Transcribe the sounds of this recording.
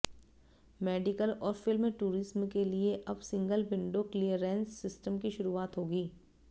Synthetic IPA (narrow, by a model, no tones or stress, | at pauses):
mɛːɖɪkəlɔːɾfɪlmːẽʈuːɾɪsmkelieʔɐbsɪ̃ŋɡəlbɪ̃ɳɖokliəɾɛ̃ːnsːɪsʈəmkiʃʊɾuːaːt̪ɦoːɡiː